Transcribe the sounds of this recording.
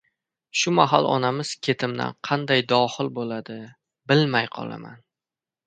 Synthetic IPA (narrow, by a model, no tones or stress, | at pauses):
ʃʊmaɦalˠɒ̰namɪz̥kʲʰe̞t̪ʰɪmd̪a̰nqʰɑnd̪ajd̪ɒχɪlˠbolad̪ɪ | bɪlmajqʰɒ̰lˠa̰ma̰n